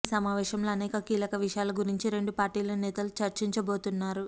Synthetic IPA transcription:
sɐmaːʋɛːʃɐmloːɐnɛːkɐkiːlɐkɐʋiʂɐjaːlɐɡuɾiɲt͡ʃiɾe̞ɳɖupaːɾʈiːlɐnɛːt̪ɐlut͡ʃɐɾt͡ʃiɲt͡ʃɐbo̞ːt̪unːaːɾu

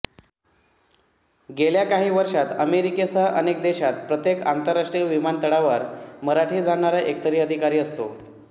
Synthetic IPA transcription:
ɡeljakaɦiːʋəɾʂat̪əmeɾiket͡saʔənek̚d̪eɕat̪̚pɾət̪jekant̪əɾːaʂʈɾiəʋimant̪əɽaʋəɾməɾaʈʰiːd͡zaɽɳaɾaʔek̚t̪əɾiːəd̪ʱikaɾiːəst̪o̰

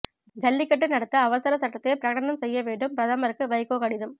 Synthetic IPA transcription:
d͡ʒɐlːɪkːɐʈːɯnɐɽɐt̪ːɐːʋɐsɐɾɐsɐʈːɐt̪ːeːpɪɾɐɣɐɽɐnɐmsɛjːɐʋeːɳɖɯmpɾɐðɐmɐɾɯkːɯʋɐɪkːoːkɐɽɪðɯm

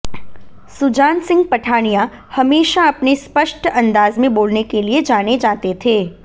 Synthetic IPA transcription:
sʊd͡ʒaːnsɪ̃ŋɡ̚pəʈʰaɳijã | həmeːʃaːpnispəʃʈə̃nd̪aːzmẽboːlnekelied͡ʒaɽ̃ed͡ʒat̪et̪ʰe

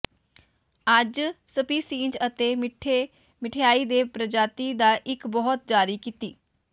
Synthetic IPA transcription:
əd͡ʒsəpiːsĩːnd͡ʒət̪eːmʈʰe | mɪʈʰejaːiːd̪eːpɾəd͡ʒaːt̪iːd̪aːʔɪkbɔɦɔt̪̚d͡ʒaːɾiːkiːt̪iː

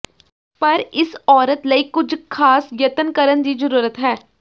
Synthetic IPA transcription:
pəɾɪsɔːɾət̪ləiːkʊd͡ʒkʰaːsjət̪ənkəɾənd̪iːzəɾuːɾət̪ɦɛː

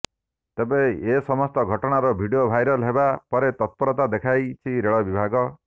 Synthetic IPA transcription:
t̪ebẽesɔmɔst̪ɔɡʱɔʈɔɽ̃aɾɔbʱiɖijobʱajɾɔlebapɔɾet̪ɔt̪̚pɔɾɔt̪ad̪ekʰajt͡ʃʰiɾeɭɔbibʱaɡɔ

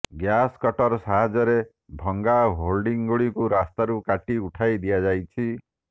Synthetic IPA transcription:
ɡjaskɔʈɔɾɔsaɦad͡ʒɔɾe | bʱɔŋɡaɦolɖiŋɡuɭikuɾast̪aɾukaʈiuʈʰajd̪ijad͡ʒajt͡ʃʰi

